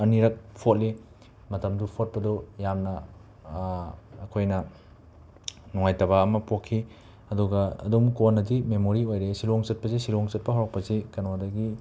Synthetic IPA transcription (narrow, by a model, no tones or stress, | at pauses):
ɐniɾɐk̚pʰot̚li | mɐtɐmdupʰot̚pɐdojamnɐ | kʰojnɐ | nuŋajtɐβaɐmɐpokʰːi | ɐduɡɐɐ̰dumkonːɐdimemoɾiojɾesiloŋt͡ʃɐt̚pɐzisiloŋt͡ʃɐt̚pɐɦawɾɐk̚pɐzikɐnodɐɡi